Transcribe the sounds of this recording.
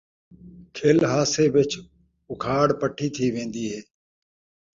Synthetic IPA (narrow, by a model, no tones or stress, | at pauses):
kʰeːlɦaːseːʋɪt͡ʃ | ʊkʰaːɽpəʈʰiːt̪ʰiːʋẽːnd̪iːɦeː